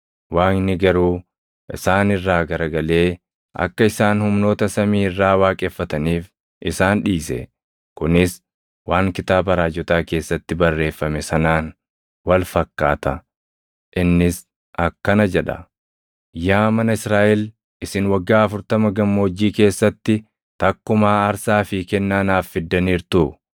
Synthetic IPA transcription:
waːŋnɪɡɐɾuː | ʔɪ̰saːnɪrːaːɡɐɾɐɡɐle̞ː | ɐ̰kːɐɪsaːnhʊmno̞ːt̪ɐsɐmiːɪrːaːwaːkʼɛfːɐt̪ɐniːf | ʔɪsaːnᶑiːsɛ̰ | kʊnɪs | waːŋkɪt̪aːbɐɾaːd͡ʒɔt̪aːke̞ːsːɐt̪ːɪbɐrːe̞ːfːɐmɛsɐnaːn | wɐlfɐkːa̰ːt̪ɐ | ʔɪnːɪs | ɐkːɐnɐd͡ʒɛᶑɐ̰ | jaːmɐnɐɪsɾaːʔɛl | ɪsɪnwɐɡːaːɐfʊɾt̪ɐmɐɡɐmːo̞ːd͡ʒːiːke̞ːsːɐt̪ːɪ | t̪ɐkːʊmaːɐɾsaːfɪkɛnːaːnaːfːɪd̪ːɐniːɾt̪ʊ

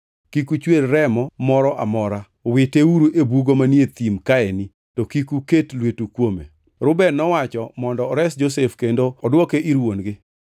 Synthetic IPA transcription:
kikut͡ʃwelɾɛmɔmɔɾɔʔamɔɾa | wɪteuɾuʔebuɡomanjet̪imkaɛni | tokikuketlwetukwomḛ | ɾʊbɛnɔwat͡ʃɔmɔndɔːɾɛsd͡ʒosefkendoɔdwɔkeʔiɾwonɡɪ

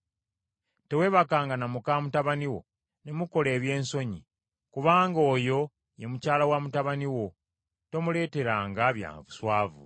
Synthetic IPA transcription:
te̞we̞βakaːŋɡanamukaːmutaβaniwo̞̰ | ne̞muko̞le̞ːβje̞ːnso̞ɲi | kuβaːŋɡo̞ːjo̞ | je̞mucaːlawaːmutaβaniwo̞ | to̞mule̞ːte̞ɾaːŋɡaβja̰ːmβuswaːvṵ

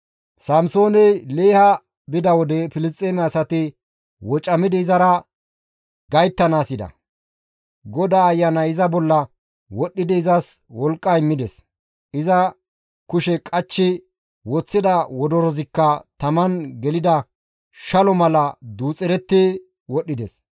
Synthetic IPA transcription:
sɐmso̞ːnɛle̞ːhɐ | bɪd̪ɐwɔd̪ɛfɪlɪs̬t̪ʼeːmɛɐsɐt̪ɪ | wɔt͡ʃʼːɐmɪd̪ɪɪzɐɾɐ | ɡɐjt̪ːɐnaːsɪd̪ɐ̰ | ɡɔd̪aːjːɐnɐɪzɐbɔlːɐ | wɔɗːɪd̪ɪɪzɐswɔlkʼːɐɪmːɪd̪ɛs | ɪzɐ | kʊʃɛkʼɐt͡ʃːɪ | wɔt͡sːɪd̪ɐwɔd̪ɔɾɔzɪkːɐt̪ɐmɐnɡɛlɪd̪ɐ | ʃɐlɔmɐlɐd̪uːt͡sʼɛɾɛt̪ːe | wɔɗːɪd̪ɛs

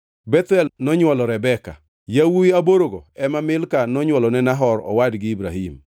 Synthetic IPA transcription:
bɛt̪ɛlnɔɲwɔlɔɾɛbɛka̰ | jawuɪaboɾoɡɔɛmamɪlkanɔɲwɔlɔnɛnaɦɔɾɔ̰wadɡɪibɾahim

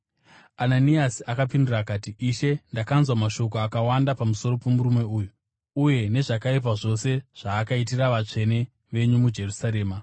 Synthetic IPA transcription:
ananiasiakapindurakatiiʃe̞ndakanzwamaʃo̞k̬oakawandapamuso̞ɾo̞pe̞muɾume̞uːju | uje̞ne̞ʐakaip̬aʐo̞se̞ʐ̥aːkait̬iraʋat͡ʂe̞ne̞ | ʋe̞ɲumud͡ʒe̞rusaɾe̞ːma

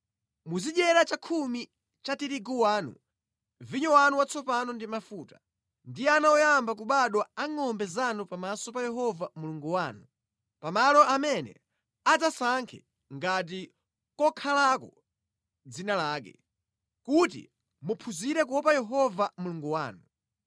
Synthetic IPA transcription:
muziɗɛɾat͡ʃakʰumi | t͡ʃatiɾiɡuwaːnṵ | viɲɔwanuwat͡sʰɔpanɔndimafuːtḁ | ndijɛanawɔjambak̬uɓaɗwɔaŋɔmbɛzanupamasɔpajɛɦɔvamuluŋɡuwaːnu | pamalɔʔamɛnɛ̰ | ad͡zasaŋkʰɛ̰ | ŋɡat̬i | kɔkʰalakɔ | d͡zinalaːk̬ɛ̰ | kutḭ | mupʰuziɾɛk̬uɔpajɛɦɔvamuluŋɡuwaːnu

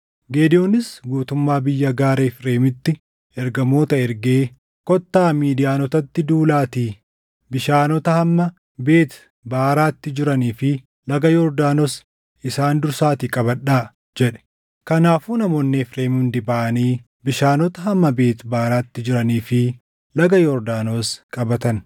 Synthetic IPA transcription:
ɡeːd̪ɪjoːnɪsɡuːt̪ʊmːaːbɪjːɐɡaːɾefɾe̞ːmɪt̪ːɪ | ɛɾɡɐmo̞ːt̪ɐɛɾɡe̞ː | kɔt̪ːaːmiːd̪ɪjaːnɔt̪ɐt̪ːɪd̪uːlaːt̪iː | bɪʃaːnɔt̪ɐhɐmːɐ | be̞ːt̪ | baːɾaːt̪ːɪd͡ʒɪɾɐniːfɪ | lɐɡɐjɔɾd̪aːnɔs | ʔɪsaːnd̪ʊɾsaːt̪iːkʼɐbɐᶑaː | d͡ʒɛᶑɛ̥ | kɐnaːfuːnɐmoːnːɛfɾe̞ːmʊnd̪ɪbaːʔɐniː | bɪʃaːnɔt̪ɐɦɐmːɐbe̞ːt̪baːɾaːt̪ːɪd͡ʒɪɾɐniːfɪ | lɐɡɐjɔɾd̪aːnoːskʼɐbɐt̪ɐn

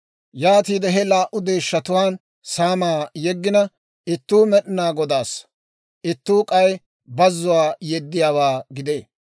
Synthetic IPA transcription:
jaːt̪iːd̪ɛɦɛlaːʔʊd̪e̞ːʃːɐt̪ʊwaːn | saːmaːjɛɡːɪnɐ | ɪt̪ːuːmɛɗɪnaːɡɔd̪aːs | ʔɪt̪ːuːkʼɐj | bɐzːʊwaːjɛd̪ːɪjaːwaːɡɪd̪e̞ː

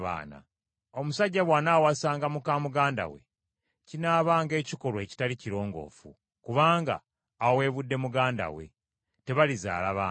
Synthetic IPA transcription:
βa̰ːna̰ | o̞musaɟːaβwaːnawasaːŋɡamukaːmuɡaːnda̰we̞̰ | cinaːβaːŋɡe̞ːciko̞lwe̞ci̥taliciɾo̞ːŋɡo̞̰ːfu | kuβaːŋɡa̰ː | we̞ːβudːe̞muɡaːnda̰wḛ | te̞βaliza̰ːlaβaː

